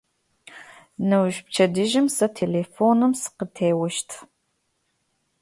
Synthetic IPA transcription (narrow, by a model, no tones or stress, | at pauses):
nɐwʒp̚t͡ʃʰɐdɨʒɪmsɐtʰeːleːfoːnɨmsɨ̥qətʰeːwɐʃtʰ